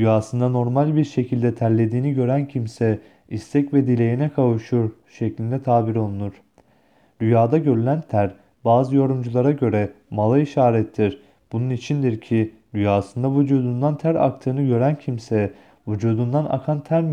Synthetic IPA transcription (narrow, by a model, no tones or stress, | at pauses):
d̪yjaːsɯnd̪ano̞ɾmalʲbiɾʃe̞cʰilʲd̪ɛt̪ʰæɾlʲe̞d̪iːniɟø̞ɾæncʰimsɛ | ist̪ʰɛcvɛd̪ilʲe̞jinɛkʰavuʃuɾ | ʃeclʲind̪ɛt̪ʰaːbiɾo̞lˠunuɾ̥ | d̪yjaːd̪aɟø̞ɾylʲænt̪ʰæɾ | baːzɯjo̞ɾumd͡ʒulˠaɾaɟøɾɛ | malˠaiʃaːɾɛt̪ʰːiɾ | b̥ununit͡ʃʰind̪iɾcʰi | d̪yjaːsɯnd̪avud͡ʒuːd̪und̪ant̪ʰæɾa̰kt̪ʰɯːnɯɟø̞ɾæncʰimsɛ | vud͡ʒuːd̪und̪ana̰kʰant̪ʰæɾm